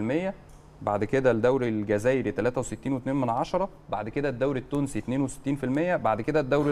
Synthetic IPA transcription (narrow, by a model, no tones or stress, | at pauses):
lmejːæ | baʕd̪eked̪æd̪æwɾelɡæzæːjeɾit̪ælæːt̪æweset̪ːiːnwet̪neːnmænʕɑʃɑɾˤɑbaʕd̪eked̪æd̪ːæwɾet̪ːuːnsit̪neːnwese̥t̪ːiːnfilmejːæbaʕd̪eked̪æd̪ːæwɾ